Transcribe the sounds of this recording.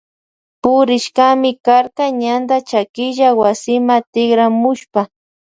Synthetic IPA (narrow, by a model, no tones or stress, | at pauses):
pʊɾɪʃkamɪkaɾkaɲand̪at͡ʃakɪʒawasɪmat̪ɪɡɾamʊʃpa